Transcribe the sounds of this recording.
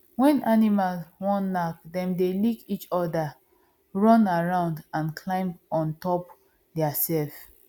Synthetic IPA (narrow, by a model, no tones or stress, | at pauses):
wɛ̃nanimalswɔ̃nːak̚dɛ̃mdelikit͡ʃɔda | ɹɔ̃naɹãʊ̃ndãnkʰlãɪ̃mɔ̃ntɔp | dɛasɛlf